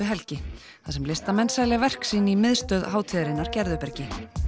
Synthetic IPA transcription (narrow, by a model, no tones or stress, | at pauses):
ɪɦɛlcɪ | θasɛmlɪst̪amɛnːsajlɛɣvɛr̥ksiːnɪimɪðst̪œðɦaːwt̪ʰiðɾɪnːaɾcɛɾðʏpɛɾcɪ